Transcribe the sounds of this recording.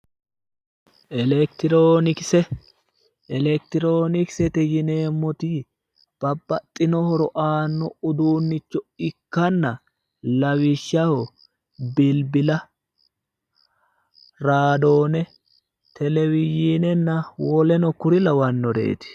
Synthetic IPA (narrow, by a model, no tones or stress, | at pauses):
ʔɛlɛkt̪ɾoːnɪksɛ | ɛlɛk̚t̪ɪɾoːnɪksɛt̪ɛjɪne̞ːmːɔt̪i | b̥ɐbːɐt̪ʼːɪnɔhɔɾɔʔaːnːɔʊd̪uːnːɪt͡ʃːɔɪkːɐnːɐ | lɐwɪʃːɐhɔ | bɪlbɪlɐ | ɾaːd̪o̞ːnɛ | t̪ʰɛlɛwɪjiːnɛnːɐwɔlɛnɔkʊɾɪlɐwɐnːɔd̪ḛːt̪ɪ̥